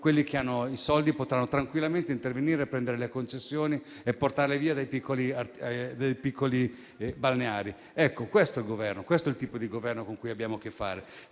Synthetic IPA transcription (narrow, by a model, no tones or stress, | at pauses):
kwelːik̟eanːoisɔld̪ipot̪ɾanːot̪ɾaŋkwilːament̪eint̪erveniːɾepːɾɛnd̪eɾelekont͡ʃesːjoːni | epːort̪aɾleviːad̪ejpikːoliard̪ejpikːoli | balneaːɾi | ɛkːokwest̪oilɡovɛrnokwest̪oɛilt̪iːpod̪iɡovɛrnokoŋkujabːjaːmok̟efːa̰ːɾe